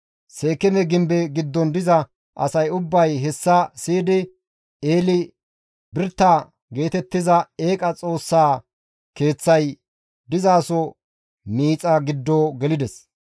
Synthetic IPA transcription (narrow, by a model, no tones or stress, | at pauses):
se̞ːkːɛmɛɡɪmbɛɡɪd̪ːɔnd̪ɪzɐ | ʔɐ̰sɐjʊbːɐjɦɛsːɐsiːd̪ɪ | eːlɪ | bɪɾt̪ːaː | ɡe̞ːt̪ɛt̪ːɪzɐe̞ːkʼɐt͡sʼo̞ːsːaː | ke̞ːt͡sːɐj | d̪ɪzaːsɔ | miːt͡sʼɐɡɪd̪ːoːɡɛlɪd̪ɛs